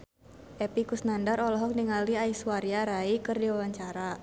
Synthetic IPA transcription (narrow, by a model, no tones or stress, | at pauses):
ʔɛpikusnandaɾɔlɔɦɔk̚niŋaliaisuwaɾiaɾaikɨrdiwawaɲt͡ʃaɾa